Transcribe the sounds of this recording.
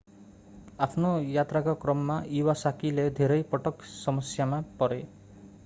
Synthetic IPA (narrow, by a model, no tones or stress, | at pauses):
apʰnojat̪ɾakɔkɾɔmːaʔiwasakiled̪ʱeɾʌjpɔʈɔksɔmʌsjamapɔɾe